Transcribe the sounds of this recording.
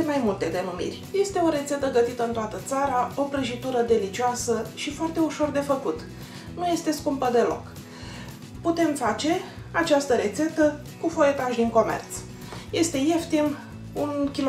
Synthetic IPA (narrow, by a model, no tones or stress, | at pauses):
majmult̪e̞d̪e̞numḭrʲje̞st̪e̞o̞ɾe̞t̪se̞t̪əɡət̪it̪əɨnt̪oat̪ət̪saɾao̞pɾeʒit̪uɾəd̪e̞lit͡ʃiasəʃifoart̪e̞uʃo̞rd̪e̞fəkut̪ | nuje̞st̪e̞skumpəd̪e̞lo̞̰k | put̪e̞mfat͡ʃe̞ | at͡ʃast̪əɾe̞t̪se̞t̪ə | kufo̞je̞t̪aʒd̪iŋko̞mḛrt̪s | je̞st̪e̞je̞ft̪im | unkʲil